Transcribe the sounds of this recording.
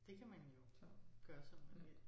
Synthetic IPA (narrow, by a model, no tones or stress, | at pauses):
d̥e̝kʰæmænjo̝ɡ̥ɶɐsɒ̽mmee̥